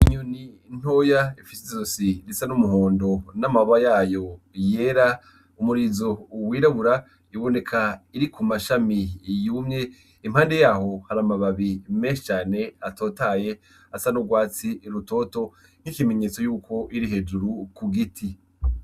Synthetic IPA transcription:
iɲuni | n̥o̞jaifisizosiɾisanumuɦo̞ːndo̞namaβajaːjo̞ | je̞ːɾa | umuɾizo̞wiːɾaβuɾa | iβo̞ne̞kʰaiɾikumaʃamijuːmɲe̞ | im̥haːnde̞jaːho̞haɾamaβaβimeːnʃi̥t͡ʃaːne̞ato̞ːtaːje̞ | asanuɡwaːt͡siɾuto̞ːto̞ | ŋ̥ikime̞ɲe̞ːt͡so̞juːko̞ʔiɾiɦe̞d͡ʒuɾukuɡitʰi

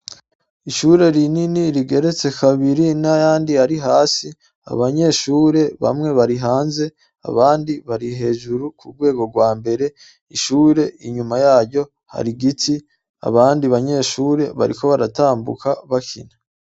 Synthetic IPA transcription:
iʃuːɾe̞ɾininiɾiɡe̞ɾe̞t͡se̞kʰaβiɾinajaːndiaɾiɦaːsi | a̰βaɲe̞ːʃuːɾe̞βa̰mŋe̞βaɾiɦaːnze̞ | a̰βaːndiβaɾiɦe̞ːʒuɾukʰuɡwe̞ːɡo̞ɡwaːmbe̞ɾe̞ | iʃuːɾe̞ʔiɲumajaːɾɟo̞ | ha̰ɾiɡitʰi | a̰βaːndiβaɲe̞ːʃuːɾe̞βa̰ɾḭko̞βaɾataːmbṵkaβakʰḭna

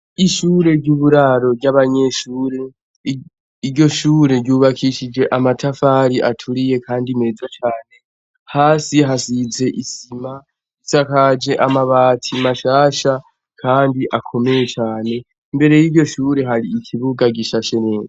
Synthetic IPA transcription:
iʃuɾe̞ɾɟuːβuɾaɾo̞ɾɟaβaɲe̞ʃuːɾe̞ | iɟo̞ʃuːɾe̞ɾɟjuβakʰiʃid͡ʒe̞ʔamatʰafaɾiʔatʰuɾije̞kʰaːndime̞zat͡ʃaːne̞ | haːsiɦasize̞ʔisima | isakad͡ʒe̞ʔamaβaːtʰimaʃaːʃa | kʰaːndiʔakʰo̞me̞je̞t͡ʃaːne̞ | mbe̞ɾe̞jiɟo̞ʃuːɾe̞ɦaɾiikʰiβuɡaɡiʃaʃe̞neːza

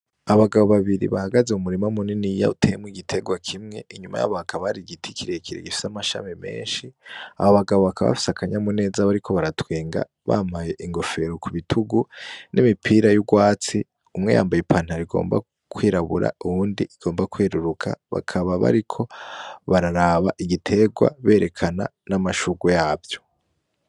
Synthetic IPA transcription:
aβaɡaβo̞βaβiɾḭβahaɡazeumuɾimaumuninijautʰejemwiɡitʰe̞ɡwakʰimŋe̞̰iɲuma̰ja̰βakʰaβaɾiɡitʰikiɾekʰiɾḛɡifi̥samaʃa̰mime̞̰ːnʃiahoβaɡaβo̞βakaβa̰fi̥seakʰaɲamune̞ːzaβaɾikʰo̞βaɾatweːŋɡa̰ | βa̰ːmaje̞ʔiŋɡo̞fe̞ɾo̞kuβitʰuɡunʔimipʰiːɾajuɡwaːt͡si | umŋe̞̰ja̰ːmbajipʰan̥haɾiɡo̞̰ːmba̰ | kʰwiːɾaβuɾa̰uβuːndiʔiɡ̥o̞ːmbakweːɾuɾukʰaβa̰kʰaβaβa̰ɾikʰo̞βaɾaɾaβaʔiɡitʰe̞ɡwa̰βe̞ːɾʔe̞kʰananamaʃuɡwejaːbjo̞̥

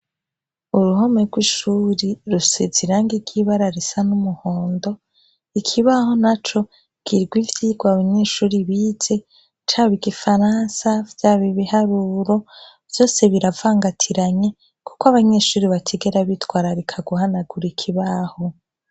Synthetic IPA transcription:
uɾuho̞meɾɡwiʃuːɾiɾuseziɾaːŋɡiɡ̥iβaɾaɾesanumuhoːndo̞ | ikʰiβaho̞nat͡ʃo̞ | ɡ̥iɾɡwivjiɡwaβaɲe̞ːʃuːɾiβiːze̞ | t͡ʃaːβiɡifaɾaːnsavjaːβiβihaɾuːɾo̞ | vjo̞ːse̞βiɾavaːŋɡatʰiɾaɲe̞ | ku̥kwaβaɲe̞ːʃuːɾiβatʰeɡe̞ɾaβitwaːɾaɾekʰaɡuhanaɡuɾikʰiβaho̞

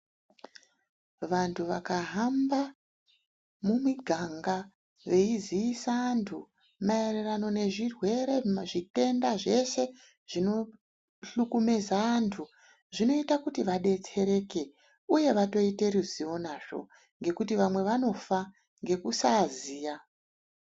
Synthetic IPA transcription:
ʋantʰuʋakaɦamba | mumiɡʱaŋɡa | ʋe̞iziisaantʰu | maererano̞ne̞ʐirwe̞ɾe̞ʐite̞ndaʐe̞se̞ | ʐ̥ino̞ | ɬukume̞zaantʰu | ʐino̞itakutiʋaɗe̞t͡se̞ɾe̞ke̞ | uje̞ʋato̞ite̞ɾiziʋo̞naʐo̞̰ | ŋɡe̞kutiʋamwe̞ʋano̞fa | ŋɡe̞kusaziːja

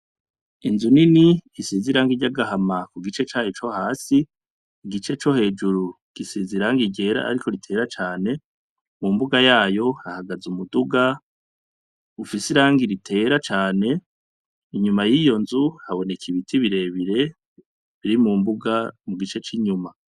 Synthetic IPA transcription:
inzuniniisiziɾaːŋɡiɟaɡahamakuɡit͡ʃe̞t͡ʃaːjot͡ʃo̞haːsiː | ɡit͡ʃe̞t͡ʃo̞he̞ːd͡ʒuɾu | ɡ̥isiziɾaŋɡiɟe̞ːɾa̰ʔa̰ɾiko̞ɾitʰe̞ːɾat͡ʃaːne̞ | mumbuɡajaːjo̞hahaɡazumuduɡa | ufisiɾaːŋɡiɾitʰe̞ːɾat͡ʃaːne̞ | iɲumajijo̞nzuhaβo̞ne̞kʰiβitʰiβiɾe̞ːβiɾe̞ | βiɾimumbuɡamuɡit͡ʃe̞t͡ʃiɲuma

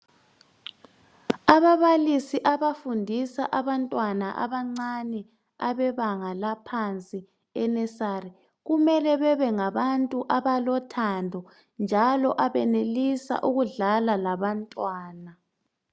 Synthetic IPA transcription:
aβaβalisiʔaβafundʱisa̰ʔaβantʼwanaʔa̰βaŋ͡ǀanɛ | aβɛβaŋalapʰant͡sʼi | ɛnɛsari | ɣumɛlɛβɛβɛŋaβantʼuʔaβalɔtʰandʱɔ | nd͡ʒʱalɔʔaβɛnelisa̰ʔuɣuɮalalaβantʼwaːna

